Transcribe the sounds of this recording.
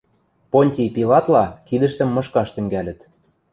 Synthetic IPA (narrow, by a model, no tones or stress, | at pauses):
ponʲt̪ʲijpilɑt̪lɑkid̪ə̆ʃt̪ə̆mːɤ̆ʃkɑʃt̪ɘ̆ŋɡælʲɘ̆t̪